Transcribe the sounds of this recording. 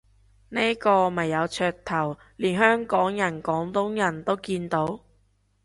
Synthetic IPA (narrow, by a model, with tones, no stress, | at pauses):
neː˥kɔː˧mɐ˨˩jːɐ˨˧wt͡ʃʰœː˧k̚t̪ʰɐ˨˩w | liː˨˩nɦœː˥ŋkɔː˨˥ŋjɐ˨˩nkɔː˨˥ŋt̪ʊ˥ŋjɐ˨˩nt̪o˥wkiː˧nt̪o˨˥w